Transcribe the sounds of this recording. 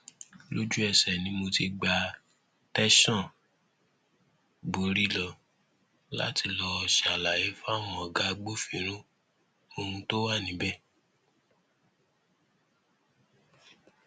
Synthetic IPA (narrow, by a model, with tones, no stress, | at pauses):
lo˦d͡ʒu˦ɛ˧sɛ˨nĩ˧˦mo˧ti˧ɡ͡ba˧ | tɛ˦ʃɔ̃˦˨ | bo˨ɾi˦lɔ˧ | la̰˦ti˧lɔ˧ʃa˨la˨je˦fa˦˨mɔ̃˨ɔ˨ɡa˨˦ɡ͡bo˦fĩ˨˦ɾ̃ũ˦ | o˧hũ˧to˦wa˦˨nĩ˨˦bɛ˦˨